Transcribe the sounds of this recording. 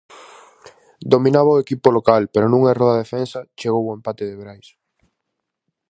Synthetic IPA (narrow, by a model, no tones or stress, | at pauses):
d̪omĩnaβaoekipolokalpeɾonũŋaɛroðaðefensɐt͡ʃeɣowoempat̪eðeβɾajs